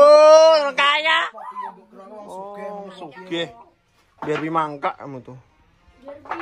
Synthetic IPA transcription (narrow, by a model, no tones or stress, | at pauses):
məkajaʔ | sukeh | biarbimaŋkaʔa̰mut̪u